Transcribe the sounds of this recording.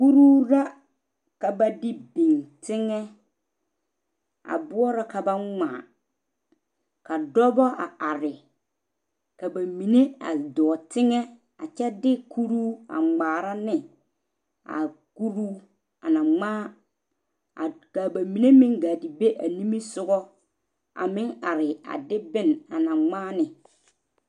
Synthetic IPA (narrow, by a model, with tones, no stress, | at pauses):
ku˦ɾu˦ɾa˦ | ka˨ba˨dɪ˦be˨ŋtɪ˦ŋɛ˦ | a̰˨bʊ˦ɔ˦ɾa˨ka˨ba˦ŋa̰ː˨ | ka˨dɔ˦bɔ˦a˨ʔa˨ɾɪ˨ | ka˨ba˨mi˨ne˦a̰˨dɔ˨tɪ˦ŋɛ˦ | a˨t͡ʃɛ˦dɪ˦ku˦ɾuː˦a̰˨ŋ͡maː˨ɾa˦nɪ˨ | a̰˨ku˦ɾuː˦ | a˨na˨ŋ͡maː˦˨ | ka˨ba˨mi˨ne˦mɪ̃˦ŋɡa˨dɪ˨be˦ʔa˨li˦mi˦sʊ˦ɡɔ˦ | a̰˨mɪ˦ŋa˨ɾɪ˨a̰˨dɪ˦bɪ˦˨na˨na˨ŋ͡maː˦nɪ˨